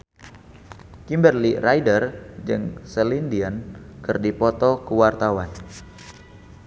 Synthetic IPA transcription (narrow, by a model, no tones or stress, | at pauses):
kimbərlirajdərd͡ʒɨŋsəlindiankɨrdipɔt̪ɔkəwart̪awan